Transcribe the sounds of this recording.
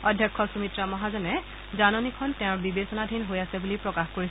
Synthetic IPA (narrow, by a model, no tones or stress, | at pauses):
ɔdʱjɔkʰːɔsumitɹamɔɦazɔnɛ | zanɔnikʰɔntɛ̃ʊ̃ɹbibesɔnadʱinɦojasɛbulipɹɔkaxkoɹis